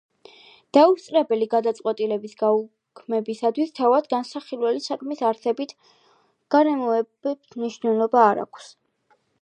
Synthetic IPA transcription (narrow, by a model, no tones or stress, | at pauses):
d̪̥aust̪sʼɾɛbɛliɡad̪at̪sʼqʼwɛt̪ʼilɛbisɡau | kʰmɛbisat̪ʰwist̪ʰavad̪ɡansaχilwɛlisakʰmisaɾsɛbit̪ʰ | ɡ̥aɾɛmɔɛbɛbsmniʃvnɛlˠɔbaːɾa̰kʷʰs